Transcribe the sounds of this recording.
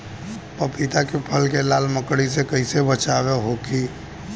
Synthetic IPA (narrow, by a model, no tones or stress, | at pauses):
pəpit̪akepʰəlkelaːlməkɽisekəɪsebət͡ʃaːʋeɦokiː